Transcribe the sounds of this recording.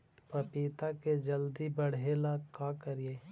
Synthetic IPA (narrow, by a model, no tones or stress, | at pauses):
pɐpiːt̪aked͡ʒəld̪ibəɽ̤eːlakaːkəɾieː